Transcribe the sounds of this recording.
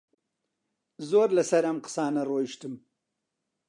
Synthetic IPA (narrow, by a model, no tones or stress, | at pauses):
zoːɾlasaɾamqə̥sɑːnaɾoʃt̪əm